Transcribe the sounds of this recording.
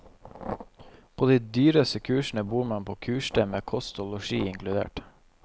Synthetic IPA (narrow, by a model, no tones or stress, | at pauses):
pʰoːd̪iːd̪yːɾəsəkʰʉːʃn̩əbuːmɑnpʰoːkʰʉːʃʈəmeːkʰɔst̪ʊlʊʃiːɪŋklʉd̪ḛːʈ